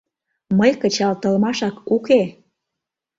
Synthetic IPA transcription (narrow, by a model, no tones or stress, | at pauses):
məjkət͡ɕɑlt̪ə̆lmɑʃɑkuke